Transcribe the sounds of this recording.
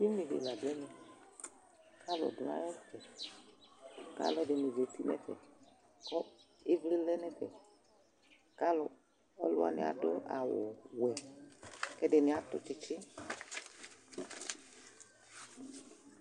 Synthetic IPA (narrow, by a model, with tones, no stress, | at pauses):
i˦m˦mɪ˨vɪ̰˨la˨dɛ˦nɛ˨ | ka˦lʊ̰˨dʊ˨na̰˦jɔ˦tɛ˨ | ka̰˦lʊ˦ɛ˦dɪ˨nɪ˨ve˨t̪i˦nɛ̰˦tɛ̰˨ | kɔ˦ | ɪ˦vli˦lɛ˦nɛ˦kɛ̰˨ | ka˦lʊ˨ | ɔ̰˦lʊ˦a̰˨nɪ̰˨a̰˨dʊ̰˦a˨wʊ˨wɛ˨ | kɛ˦dɪ˨nɪ˨˦a˦t̪ʊ̰˦t͡ʃɪ˦t͡ʃɪ˦˨